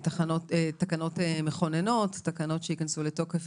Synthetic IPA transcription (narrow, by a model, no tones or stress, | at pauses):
taχanotetakano̞temeχo̞neno̞tːakanotʃeikansuleto̞kef